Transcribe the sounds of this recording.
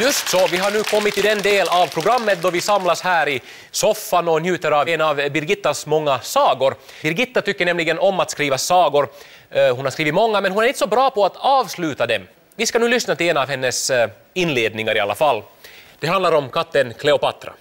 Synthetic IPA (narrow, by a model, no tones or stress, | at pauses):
jɵst̪sɔvɪɦaɳʉːkʰɔmːɪt̪ʰːɪd̪ɛnd̪eːlavpʰɾʊɡɾamːət̪̚d̪ɔɾvɪsamlashæːɾɪ | sɔfːanɔnjʉ̟ːt̪əɾavnavbɪɾɡɪt̪ːasmɔŋːasɑːɡʊɾ | bɪɾɡɪt̪ːat̪ʰʏkːəɳɛmlɪɡənɔmːat̪skɾiːvasɑːɡʊɾ | hʊnhaɾskɾiːvɪt̪mɔŋːamɛnhʊnæɾɪnt̪ə̥sɔbɾɑːpʰɔat̪ɑːvslʉ̟ːt̪ad̪ɛm | vɪskanʉːlʏsnat̪ɪlɛnavhɛnːəs | ɪnleːd̪nɪŋaɾɪa̰lːa̰falː | d̪̥ɛɦand̪laɾɔmkʰat̪ːənkʰlɛʊpat̪ɾa̰